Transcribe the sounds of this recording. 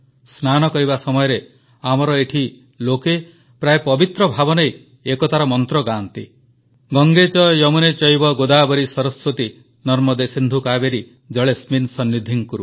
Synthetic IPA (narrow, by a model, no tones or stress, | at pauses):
snanɔkɔɾibasɔmɔjɔɾe | amɔɾɔeʈʰi | loke | pɾaepɔbit̪ɾɔbʱabɔnej | ekɔt̪aɾɔmɔnt̪ɾɔɡant̪i | ɡɔŋɡet͡ʃɔjɔmunet͡ʃɔjbɔɡod̪abɔɾisɔɾɔswot̪i | nɔɾmɔd̪esind̪ʱukabeɾi | d͡ʒɔɭesminsɔnːid̪ʱiŋkuɾu